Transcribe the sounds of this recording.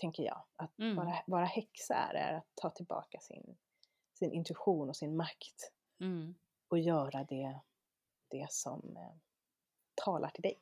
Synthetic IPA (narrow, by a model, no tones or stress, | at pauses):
t̪ʰɛŋkəjɑ̰ːat̪vɑːɾavɑːɾahɛksa̰æ̰ɾæ̰ɾat̪ʰːɑːt̪ʰɪlbɑ̰ːkasɪ̰n | sɪnʔɪnt̪ɵɪɧuːnɔsɪnmakt̪ | ɔjœːɾad̪ɛ | d̪̥ɛsɔ̰m | t̪ʰɑːlʔaʈʰɪld̪ɛj